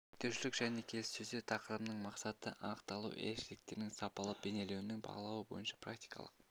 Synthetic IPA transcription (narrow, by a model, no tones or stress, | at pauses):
kt̪ʰeʃɪlɪkʒ̥æne̞kʲʰe̞lɪsɵzd̪et̪ʰɑqəɾəmnəɴmɑqsɑt̪əʔɑəqt̪ɑlˠṵwʔḛɾʃɪlɪk̚t̪e̞ɾɪnɪŋsɑpɑlˠəb̥e̞ne̞lewnɪŋbɑ̰ʁəlˠɑwəbo̞̰jənʃɑ̥prak̚t̪i̥jkɑ̰lˠə̰q̚